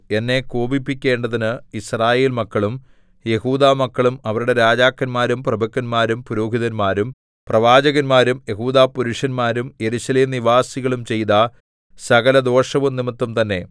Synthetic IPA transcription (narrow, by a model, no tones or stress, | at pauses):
e̞nːe̞koːbipːikʲːe̞ːɳɖɐðinɨisraːje̞ːlmɐkːɐɭum | je̞huːd̪aːmɐkːɐɭumɐʋɐɾuɽe̞ɾaːd͡ʑaːkːɐnmaːɾumprɐbɐkːɐnmaːɾumpuɾoːɦiðɐnmaːɾum | prɐʋaːd͡ʑɐɣɐnmaːɾumje̞ɦuːd̪aːpːuɾuʂɐnmaːɾumje̞ɾuɕɐleːmniʋaːsiɣɐɭumt͡ɕe̞jt̪ɐ | sɐɣɐlɐd̪o̞ːʂɐʋumnimɐt̪ːumt̪ɐnːe̞